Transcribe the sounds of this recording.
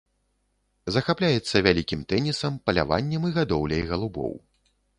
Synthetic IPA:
zɐxaplʲajɛt̪sːɐvʲalʲikʲimt̪ɛnʲisɐmpɐlʲa̰va̰nʲːɛmiɣad̪ɔwlʲɐ̰jɣɐlˠubɔ̰w

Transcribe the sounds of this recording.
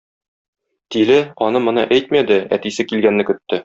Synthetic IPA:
t̪ilɘɒnɤmŏnɤ̰ʔæjt̪mæd̪ɘæ̰t̪isɘkilɡænːɘkɵ̆t̪ːɘ

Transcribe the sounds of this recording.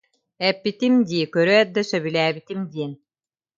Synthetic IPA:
ɛpːit̪imd̪ʲiːkøɾøɛt̪̚d̪ɐsɐβilæːbit̪imd̪ʲiːn

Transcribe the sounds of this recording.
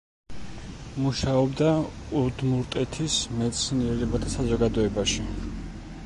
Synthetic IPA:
muʃaɔbd̪a | ud̪muɾt̪ʼɛt̪ʰismɛt̪sʰniɛɾɛbat̪ʰasazɔɡad̪ɔɛbaʃi

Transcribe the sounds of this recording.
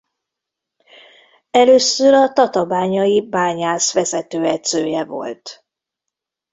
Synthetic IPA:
ɛløːsːøɾɒt̪ɒt̪ɒbaːɲɒjibaːɲaːsʋɛzɛt̪øːɛt̪søːjɛvo̞̰lt̪

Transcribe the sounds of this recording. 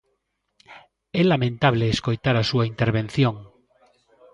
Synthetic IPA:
elamẽnt̪aβ̞leːskojt̪aɾasuaint̪eɾβ̞ẽnθjõŋ

